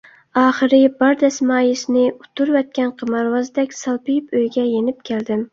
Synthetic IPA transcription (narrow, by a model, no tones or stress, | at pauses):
ɑːχɨɾɪbɑɾd̪ɛsmɑːjɪʃnɪut̪ʰːuɾvɛt̪̚kʲɛnqʰəmɑɾwɑzd̪ɛkʲsɑlˠpɪjɪpøjɡʲɛjenɪp̚kʲʰeld̪ɪm